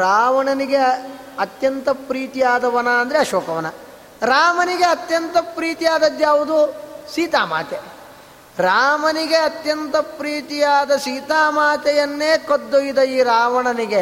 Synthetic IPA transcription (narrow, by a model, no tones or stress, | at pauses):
ɾaːʋɐɳɐniɡe | ɐt̪jɐnt̪ɐpɾiːt̪ijaːd̪ɐʋɐnaɐnd̪ɐɾeɐʃɔːkɐʋɐnɐ | ɾaːmɐniɡeɐt̪jɐnt̪ɐpɾiːt̪ijaːd̪ɐd̪jaːʋud̪usiːt̪aːma̰ːt̪e | ɾaːmɐniɡeɐt̪jɐnt̪ɐpɾiːt̪ijaːd̪ɐsiːt̪aːmaːt̪ɐjɐnːeːkod̪ːojid̪ɐiːɾaːʋɐɳɐniɡe